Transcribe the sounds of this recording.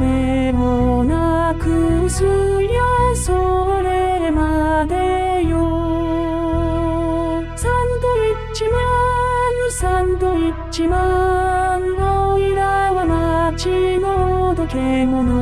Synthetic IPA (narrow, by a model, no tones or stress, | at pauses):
e | mona | kɯ | sɯ | iasoɾemad̪ejo | sãnd̪oi | t͡ɕimanisãnd̪oi | t͡ɕima | nːoiɾaβamat͡ɕinod̪okeŋomɯ